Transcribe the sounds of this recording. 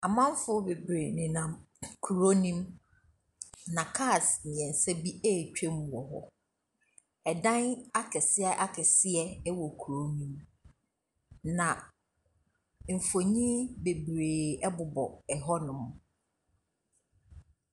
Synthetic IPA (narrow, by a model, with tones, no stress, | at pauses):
a˨mã˦m˦fʊ˦be˨bɾe˨nɪ̃˨nã˨m | kʰu˨ɾo˦nĩ˦m | nã˨kʰa˦˨snɪ̃˨ɛ̃˨n̩˨sɛ˦bi˦e˦˨t͡ɕᶣẽ˦m˨ɔ˨ɦɔ̰˦ | ɛ˨dã˦na˦kʰɛ˨sɪ˦ɛ˦ʔa˦kʰɛ˨sɪ˦ɛ˦ɛ˦wɔ˨kʰu˨ɾo˦nĩ˦m | nã˨ | m̩˨fo˨ɲĩ˦be˨bɾeː˨ɛ˦bʊ˨bɔ̰˨ɛ˨ɦɔ˦nʊ̃˨m